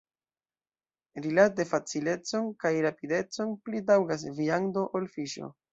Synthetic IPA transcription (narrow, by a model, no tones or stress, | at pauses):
ɾilat̚de̞fat͡sile̞t͡so̞nkajɾapide̞t͡so̞nplidawɡas̬viando̞ʔolfiʃo̰